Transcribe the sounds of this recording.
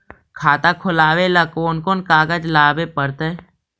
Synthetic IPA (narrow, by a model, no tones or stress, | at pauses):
kʰaːt̪akʰʊlaːwelakoːnkoːnkaːɡəd͡ʒlaːbepəɾt̪e